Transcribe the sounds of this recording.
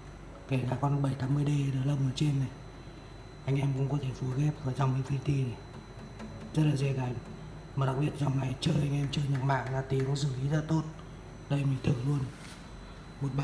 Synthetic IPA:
kɛ˧˩laː˨˩ka˧nɓə˧˩jt̪aː˨˦mːɨ˧əjɗe˧˩ɗɨ˨˩lə˧wməː˨˩t͡ɕe˧nna˨˩j | ʔa˧jŋ̟ʔɛ˧mkʊ̰˧˥ŋ͡mkɔ˨˦t̪ʰe˧˩fu˨˦ɣɛ˦˥p̚əː˧˩t͡ɕɔ˧wŋ͡mi˨˧˦fi˧t̪i˧nə˨˩j | zə˦˥t̚laː˨˩zɛ˧˩kaː˨˩˦j | mə˨˩ɗa˨˩k̚ɓi˨˩ət̚zɔ˨˩wŋ͡mna˨˩jt͡ɕɨ˧əʔa̰˧jŋ̟ʔɛ˧mt͡ɕɨ˧əɲə˨˩t̚ma̰ː˧˨ŋlaː˨˩t̪i˨˩˦kʊ̰˧˥ŋ͡ms̬ɨ˧˩li˨˦zaː˧˩t̪o˦˥t̚ | ɗə˧jmi̟˨˩t̪ʰɨ˧˩lu˧ən | mo˨˩t̚ɓa˨

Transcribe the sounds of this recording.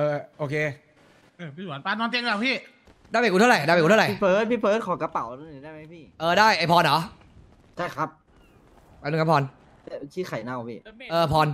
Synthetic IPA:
ʔɤː˧ʔoː˧kʰeː˧˩˧ | u˩˦t̪aː˧nɔː˧nt̪i˧əŋka˨˩pʰiː˥˩ | daː˥˩jma˨˩kːt̪ʰɾa˨˩jdaː˥˩ma˧˩ku˧˥˨ɾa˨˩˥pʰɤː˦˥t̪̚pʰiː˥˩pʰɤː˦˥t̪̚kʰɔː˨˦ka˧pa˨˩˦wdaː˥˩ma˦˥jpʰiː˥˩ʔɤː˧daː˥˩jʔa˧˩jpʰɔː˧nʔɔː˩˦ | t͡ɕʰa˥˩jkʰɾa˦˥p̚ | aː˨˦nu˧ŋʰa˦˥pʰːɔː˧n˧˩ | kʰi˦˥˩kʰa˨˩jna˧wpʰiː˥˩ʔɤː˧pʰɔː˧n

